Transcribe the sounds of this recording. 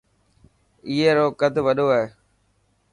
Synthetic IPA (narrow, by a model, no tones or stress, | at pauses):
iːɦeːɾoːkəd̪ʱʋəɗoːaːɦeː